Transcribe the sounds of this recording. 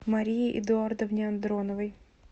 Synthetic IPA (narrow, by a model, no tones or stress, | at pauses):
mɐɾʲijiʔɪ̰d̪ʊard̪ɐvnʲɪɐnd̪ɾonɔvəj